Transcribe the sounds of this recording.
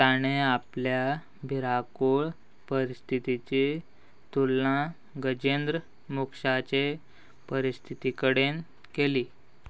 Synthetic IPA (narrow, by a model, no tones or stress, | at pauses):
t̪aɽ̃eaplja | bʱiɾakoɭ | pəɾist̪ʰit̪it͡ɕe | t̪ulːã | ɡəd͡ʑend̪ɾə | mukʂat͡ɕe | pəɾist̪ʰit̪ikəɽen | keliː